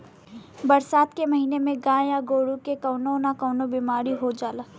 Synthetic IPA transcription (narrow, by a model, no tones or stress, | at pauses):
bɐɾsaːt̪kemɐɦiːnemẽɡãːjaɡoːɽukekɐʊnonakəːnobimaːɾiɦod͡ʒaːlaː